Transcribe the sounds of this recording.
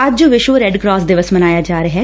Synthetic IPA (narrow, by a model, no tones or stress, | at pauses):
əd͡ʒd͡ʒoːʋɪʃʋoːɾɛɖkɾɔːsd̪ɪʋəsmənaːjaːd͡ʒaːɾeɦɛː